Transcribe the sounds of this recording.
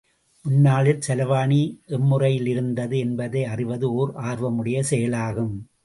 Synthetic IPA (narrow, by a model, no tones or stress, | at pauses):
mʊnːaːɭɪlsɛlɐʋaːniʔɛmːɯrɐjɪlɪɾɯnd̪ɐðɯɛnbɐðɐɪɐrɪʋɐðɯoːɾaːɾʋɐmɯɽɪjɐsɛjɐlaːɣɯm